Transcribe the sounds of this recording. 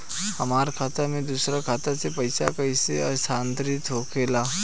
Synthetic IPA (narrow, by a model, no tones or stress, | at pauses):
hɐmaːɾkʰaːt̪amẽd̪uːsɾakʰaːt̪asepɐɪsakɐiseɐst̪ʰãːnt̪ɾɪt̪ɦoːkeːlaː